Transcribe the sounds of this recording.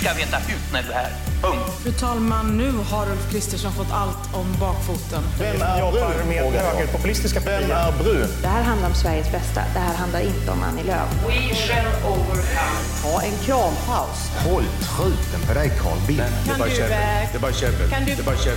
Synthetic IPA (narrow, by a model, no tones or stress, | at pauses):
skaveːt̪akʰʉ̟ːt̪næɖɵhæ̰ːɾfœt̪ʰɑːlmanːʉ̟ːhaɾʊlfkʰɾɪst̪əʂɔnfɔt̪ːalt̪ɔmbɑːkfuːt̪ənɛmæmeːaəpʰʊpʉlɪst̪ɪskaɛmæɾbɾʉ̟ːd̪̥ɛhæːɾɦand̪laɾɔmsvæɾjəsbɛst̪a̰d̪ɛɦæːɾɦand̪aɾɪnt̪əɔ̰ma̰nːɪlø̰ːvɪ | ɛnəovəɾkʰant̪ʰɑːʔɛnkʰɾɑːmpʰaʊs | hɔlt̪ʰɾʉ̟ːt̪ənpʰɔd̪ɛjkʰɑ̰ːɭbɪ | aɛd̪ɛbɑːɾɕɛəkʰand̪ɛbɑɾɛ